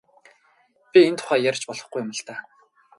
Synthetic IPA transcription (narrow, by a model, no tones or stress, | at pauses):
pʲient̪ʰʊ̥χæːjæɾ̆ʲt͡ɕpɔɮɞ̆χɡujʊmə̆ɬt̪aː